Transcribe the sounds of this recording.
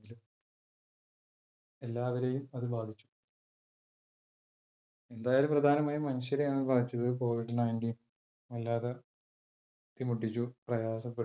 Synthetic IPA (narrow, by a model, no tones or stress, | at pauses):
ilu | elːaːʋɐɾejumɐðɨbaːd̪ʱit͡ɕːu̥ | e̞nd̪aːjaːlumprɐd̪ʱaːnɐmaːjimɐnɐɕjɐɾɐjenːɨbaːd̪ʱit͡ɕːɐðɨko̞ːʋiɖɨnɐjnʈiːn | ʋɐlːaːðɐ | t̪ːimuʈːit͡ɕːuprɐjaːsɐpːe